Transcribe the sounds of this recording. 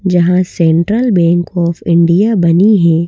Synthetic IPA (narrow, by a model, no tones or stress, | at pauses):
d͡ʒɐɦãsɛ̃ɳʈɾəlbɛ̃ːŋkɔːfɪ̃ɳɖijabɐniɦɛ̃ː